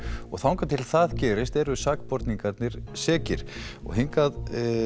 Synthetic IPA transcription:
ɔ̰ɣθawŋkat̪ʰɪlθaðcɛːɾɪst̪ɛɾʏsaːkpɔɾt̪niŋkaɾt̪nɪɾ̥sɛːcɪɾ̥ɔ̰ɣɦiŋkað

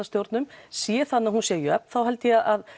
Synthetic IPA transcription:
ast̪jowɾt̪nʏmsjɛθanːahunsjɛjʏœp̚n̥θawɦɛlt̪ɪjɛaʔað

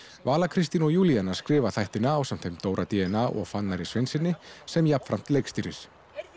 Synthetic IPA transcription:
vaːlakʰɾɪst̪inɔɣjuːlianaɾ̥skɾɪːvaθajht̪ɪnaːwsam̥t̪hejmt̪oːwɾʔat̪iɛnaʔɔ̰ɣfanːaɾisvɪnsɪnːɪsɛmjap̪fɾam̥t̪lejkst̪iɾɪs

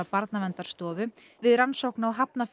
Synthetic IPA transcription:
awpaɾt̪navɛnt̪aɾ̥st̪ɔːvʏ | vɪðɾansowknaawɦapnaf

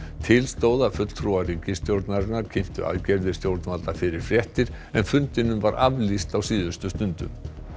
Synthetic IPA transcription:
t̪ʰɪlst̪oːwðafʏt̪l̥t̪ʰɾuariːcɪst̪jowɾt̪naɾɪnaɾ̥cʰɪm̥t̪ʏ̰ʔa̰lcɛɾðɪ̥st̪jowɾt̪nmalt̪afɪɾɪɾ̥fɾjɛht̪ɪɾ̥ | ɛnfʏnt̪ɪnʏmvaɾʔavlist̪awsiːðʏst̪ʏst̪ʏnt̪ʏ̰m

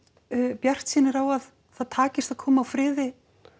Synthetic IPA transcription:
pjar̥t̪siːnɪɾawað | θaðt̪ʰaːcɪst̪aðkʰɔːmaawfɾɪːðɪ

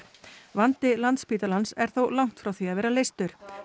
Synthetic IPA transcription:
vant̪ɪlant̪spiːt̪alansɛɾ̥θowlawŋ̥t̪fɾawθiaðvɛːɾalejst̪ʏɾ̥

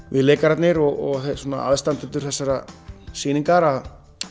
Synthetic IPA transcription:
vɪðleːkaɾat̪nɪɾɔɣɔɣθesoːna̰a̰ðst̪ant̪ɪnt̪ːʏɾ̥θɛsːaɾasiːniŋkaɾað

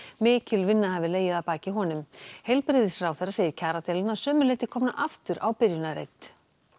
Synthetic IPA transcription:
mɪːcɪlvɪnːahavɪleːjɪðapaːcɪɦɔnʏmhejlpɾɪːðɪsɾaːwθejrːaseːjɪɾcʰaːɾat̪ɛlɪnasœːmʏleht̪ɪkʰɔːmnaʔaft̪ʏɾʔa̰wpɪɾjʏnaɾḛjt̪

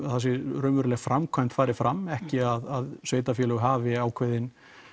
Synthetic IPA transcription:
θas̬ɪɾœːmʏɾlɛɣfɾʔamkʰajm̥t̪faːɾɪfɾamːɛhcɪaðaðsveːjt̪afjɛːləɣʏɦaːvɪaːwkʰvejðɪn

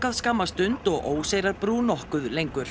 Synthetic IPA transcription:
kaðskamːast̪ʏnt̪ɔɣʔoːwseːjɾaɾpɾuːnɔhkʏðlejŋkʏɾ̥

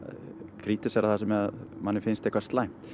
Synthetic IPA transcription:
kʰɾiːt̪ɪsɛɾaðθasɛmɛmanːɪɾfɪnst̪ɛhkvast̪laːjm̥t̪

